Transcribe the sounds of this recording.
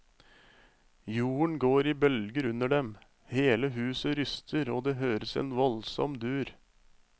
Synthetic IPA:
juːəɳɡoːɾiːbœlɡəɾʉnəɖɛm | heːləɦʉːsəɾʏst̪ʰəɾoːd̪eːɦøːɾəsḛːnʋɔlsɔ̰md̪ʉːɾ

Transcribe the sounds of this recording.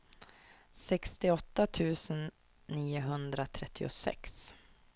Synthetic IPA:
sɛkst̪ɪɔt̪ːat̪ʰʉ̟ːsənː | iːʊɦɵnd̪ɾat̪ʰɾɛt̪ʰːɪʊ̰sɛ̰ks

